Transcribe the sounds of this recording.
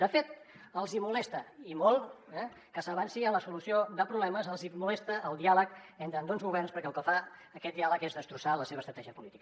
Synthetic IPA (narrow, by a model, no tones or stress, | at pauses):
d̪əfet̪əlˠzimulɛst̪əimolˠɛ | kəsəβ̞ansiənləsulusiod̪əpɾuβlɛməzəlˠzimulɛst̪əəlˠd̪ialəkent̪ɾənd̪onzɣuβɛrnspəɾkɛəlˠkəfaəkɛt̪̚d̪ialəkezðəst̪ɾusaləseβəst̪ɾət̪ɛʒiəpulit̪ikə